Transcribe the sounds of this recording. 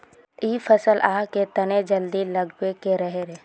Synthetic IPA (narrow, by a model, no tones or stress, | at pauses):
iːfʰɐsəlʔaːɦket̪ɐned͡ʒəld̪ilɐɡwekeɾəɦeɾeː